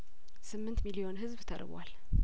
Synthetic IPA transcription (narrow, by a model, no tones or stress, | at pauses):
sɨmːɨnt̪milio̞nɦɨzbt̪ʰə̰ɾbwa̰l